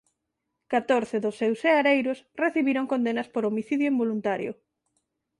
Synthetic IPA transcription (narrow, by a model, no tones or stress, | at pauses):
kat̪oɾθeðʊsːewseaɾejɾʊsreθiβiɾoŋkond̪enɐspoɾomiθiðjʊembolunt̪aɾjʊ̰